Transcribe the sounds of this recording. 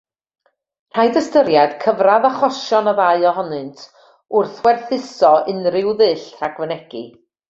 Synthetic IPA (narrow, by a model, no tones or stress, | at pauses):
r̥aɨdəstəɾjad̥kʰəvraðaχɔʃɔnɔðaɨɔɦɔnɨntʰ | ʊrθwɛrθɪsɔʔɪnrɪwðɨːɬtʰraɡvənɛɡ̥ḭ